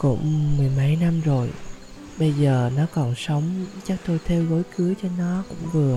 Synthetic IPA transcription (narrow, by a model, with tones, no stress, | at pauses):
kʊ̰˧˥ŋ͡mmɨ˨˩əjma˧˩jna˧mzo˨˩j | ɓə˧jzəː˨˩nɔ˨˦kɔ˨˩nsə˨˦wŋ͡mt͡ɕa˦˥k̚t̪o˧jt̪ʰɛ˧wɣo˨˦jkɨ˨˦ət͡ɕɔ˧nɔ˨˦kʊ̰˧˥ŋ͡mvɨ˨˩ə